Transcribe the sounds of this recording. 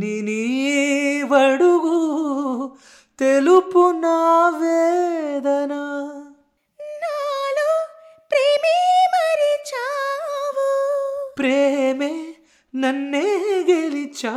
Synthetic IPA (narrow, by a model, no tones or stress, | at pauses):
nini | ʋɐɽuɡu | t̪elupunaːʋed̪ɐnɐ | nalu | pɾeːmemɐɾit͡ʃaʋupɾeme | nɐnːeɡelit͡ʃa